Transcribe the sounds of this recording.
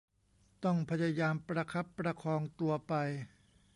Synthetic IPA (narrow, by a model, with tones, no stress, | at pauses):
t̪ɔ˥˩ŋpʰa˧˥ja˧jaː˧mpɾa˧kʰa˦˥pːɾa˧kʰɔː˧ŋt̪u˧ɐpa˧j